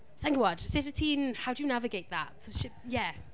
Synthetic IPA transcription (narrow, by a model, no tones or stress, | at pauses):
sãŋɡəwɑd̥sɪtətʰĩːnhaʊdəjənavɪɡeɪt̪̚ðat̚ | ʃɪpjæ